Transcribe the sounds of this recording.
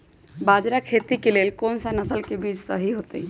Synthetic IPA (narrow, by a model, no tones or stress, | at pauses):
bad͡ʒɾakʰet̪ikelelkonsanasəlkebid͡ʒʱsə̰ɦiɦot̪e